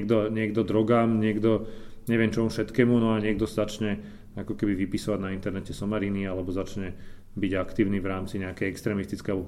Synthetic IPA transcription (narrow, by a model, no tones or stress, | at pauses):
ɛɡd̪ɔɲɪɛɡd̪ɔd̪ɾɔɡaːmɲɪɛɡd̪ɔ | ɲɛʋɪɛmt͡ʃɔmufʃɛt̪kɛːmunɔaɲɪɛɡ̚d̪ɔsazat͡ʃɲɛ | akɔkɛbiʋipisɔʋaɟnaint̪ɛɾnɛcɛsɔmaɾinialɛbɔzat͡ʃɲɛ | biɟakt̪iːʊnivɾaːmt͡siɲɛakɛjɛkst̪ɾɛːmist̪i̥t͡skɛju